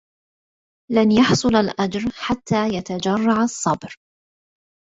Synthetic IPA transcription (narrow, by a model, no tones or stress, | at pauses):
lanjɑħsˤʊlalʔad͡ʒɾħat̪ːaːjat̪ad͡ʒarˤːɑʕasˤːɑbɾ